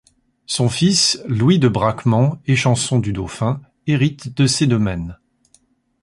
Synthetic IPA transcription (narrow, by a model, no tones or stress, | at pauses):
sɔ̃fislwid̪əbʁakmɑ̃eʃɑ̃sɔ̃d̪yd̪ofɛ̃ | eʁit̪d̪əsed̪ɔmɛn